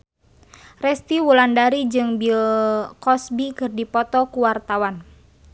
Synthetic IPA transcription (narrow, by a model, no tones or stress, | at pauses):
rɛst̪iwulandaɾid͡ʒɨŋbikɔsbikɨrdipɔt̪ɔkuwart̪awan